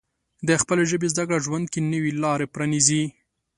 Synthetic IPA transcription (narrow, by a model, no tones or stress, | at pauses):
d̪əxpəleʒəbezd̪akɽaʒwand̪̚kenəwilɑɾepɾanizi